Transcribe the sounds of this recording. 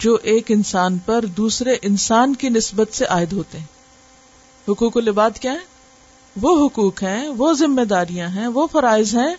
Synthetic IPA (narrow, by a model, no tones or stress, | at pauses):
d͡ʒoːʔeːkɪnsaːnpɐɾd̪uːsɾeʔɪnsaːnkinɪsbət̪seʔaːɪd̪ɦoːt̪eɦɛ̃ː | ɦʊkuːkolebaːd̪kjaːɦɛ̃ː | ʋoːɦʊkuːkɦɛ̃ʋoːzɪmːed̪aːɾijãɦɛ̃ʋoːfɐɾaːɪzɦɛ̃ː